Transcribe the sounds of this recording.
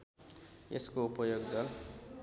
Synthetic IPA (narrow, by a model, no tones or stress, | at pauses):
eskoupʌjoɡd͡zʌl